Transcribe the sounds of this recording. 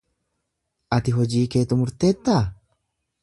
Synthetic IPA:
ʔɐt̪ɪɦɔd͡ʒiːke̞ːt̪ʊmʊɾt̪e̞ːt̪ːaː

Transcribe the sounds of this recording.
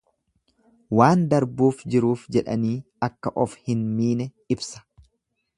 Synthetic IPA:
waːnd̪ɐɾbuːfd͡ʒɪɾuːfd͡ʒɛᶑɐ̰niː | ɐkːɐʔɔfhɪnmiːnɛ | ɪbsɐ̥

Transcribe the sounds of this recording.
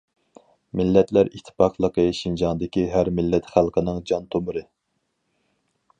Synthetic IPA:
mɪlːɛt̪ʰlæɾit̪ʰːɪ̥pɑqlˠəqəʃind͡ʒɑnd̪ɪkʲiɦæɾmɪlːɛt̪χælˠqʰənɨŋd͡ʒɑnt̪ʰomʊɾɨ

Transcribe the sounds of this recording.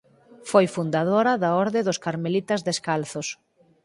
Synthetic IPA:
fojfund̪aðoɾɐðaɔɾðɪðʊskaɾmelit̪ɐzðeskalθʊs

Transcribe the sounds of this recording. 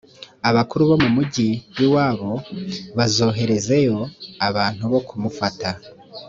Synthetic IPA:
aβakuɾuβo̞mumuɟijiwaːβo̞βazo̞ːɦe̞ɾe̞ze̞jo̞aβaːn̥huβo̞kumufata

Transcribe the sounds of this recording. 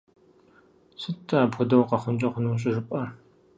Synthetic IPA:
sɨtʰːɐːpʰʷʊdɐwqɐχʷʊmt͡ʃʼɐχʷʊnuːɕ̬ʼɪʒɪpʼɐ

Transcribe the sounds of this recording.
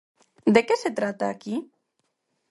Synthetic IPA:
d̪ekeset̪ɾat̪aːki

